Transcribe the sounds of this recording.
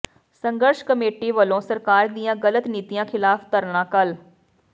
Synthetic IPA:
səŋɡəɾʃkəmeːʈiːʋəlõːsəɾkaːɾd̪iːjãːɡələt̪niːt̪ijãːkʰɪlaːft̪əɾɳãːkəl

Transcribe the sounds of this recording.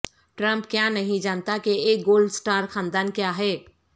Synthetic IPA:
ʈɾə̃mpkjanəɦĩd͡ʒant̪akeek̚ɡolɖsʈaɾkʰãːnd̪ankjaɦɛ

